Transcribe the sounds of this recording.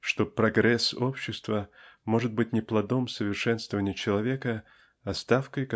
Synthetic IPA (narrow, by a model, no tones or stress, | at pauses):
ʂt̪o̞pɾɐɡɾɛso̞pɕːɪst̪vəmo̞ʐɨt̪̚bɨtʲnʲɪplˠɐd̪o̞msəvʲɪrʂɛnst̪vəvənʲɪjət͡ɕɪlˠɐvʲekə | ɐst̪afkəjk